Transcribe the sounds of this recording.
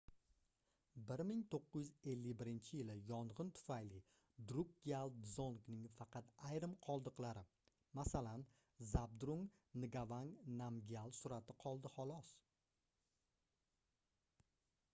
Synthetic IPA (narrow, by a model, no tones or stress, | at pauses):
bɪɾmɪŋt̪ʰoqːɨjʏze̞lːɪjbɪɾɪnt͡ʃʰɪjɪlɪjɒɴʁɨnt̪ʰʊ̥fajlɪ | d̪ɾukːialˠzonknɪŋfɑqʰɑt̪ajɾɪmqʰɒlˠd̪ɨqlˠaɾɪ | masalan | zab̚d̪ɾuŋnɪɡavaŋnamɡʲialˠsʊɾat̪ʰɪqʰɒlˠd̪ɪhɒlˠɒs